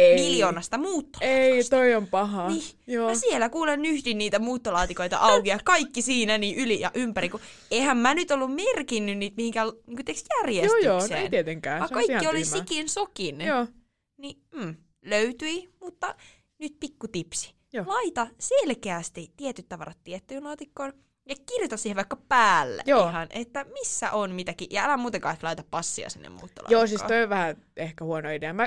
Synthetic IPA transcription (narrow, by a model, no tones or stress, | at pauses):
emiljoːnɑst̪ɑmuːt̪ːo̥est̪oiompɑɦɑnijoːæsielːækuːlennyhdinniːt̪æmuːt̪ːolɑːt̪ikoit̪ɑ̰ʔɑukiɑkɑikːisiːnæniːʔylijɑ̰ʔympæɾiku | ehæmmænyt̪olːummerkinːynniːt̪mihiŋkælniːŋkot̪eksjærjejosːtj̪yoːsḛːnt̪iet̪eŋkæːɑikkɑɑiiolisikinsokinoː | nim̩ː | løyt̪yimut̪ːɑ | nyt̪̚pikːut̪ipsi̥ | joːlɑit̪ɑselkeæst̪it̪iɛt̪yt̪t̪ɑʋɑ̰rɑt̪tiet̪ːyːnlɑːt̪ikːon | jɑkirjot̪ɑsiːheʋɑikːɑpæːlːæ̰ʔjoːihɑnʔet̪ːæmisːæ̰ʔonmit̪ækiʔjɑælæmuːt̪eŋkɑiklɑit̪ɑppɑsːiɑ̰sḭnːḛmṵːt̪ːɑ̰lɑ̰joːsisɑ̰t̪ojoʋʋæhæ | ehkæhuonoideæmæ